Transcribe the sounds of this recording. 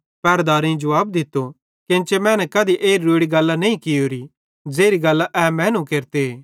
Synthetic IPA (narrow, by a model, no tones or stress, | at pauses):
pɛːɾd̪aːɾẽd͡ʒʊʋaːb̚d̪ɪt̪ːo | kɪ̃nt͡ʃemɛ̃ːnɛkɐd̪iʔeːɾiːuɽiɡɐlːanɐĩkɪɦoːɾi | d͡ʒeːɾiɡɐlːaʔɛːmɛ̃ːnũkeːɾt̪e